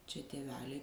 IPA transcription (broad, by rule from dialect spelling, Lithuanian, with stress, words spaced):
t͡ʃʲɛ tʲeːˈʋʲæːlʲɛɪ